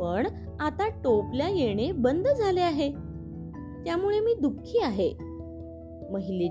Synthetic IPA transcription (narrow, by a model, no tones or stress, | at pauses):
əɳ | at̪aʈopljajeɽ̃ebənd̪d͡zʱaleaɦe | t̪jamuɭemiːd̪ukʰːiːaɦe | məɦile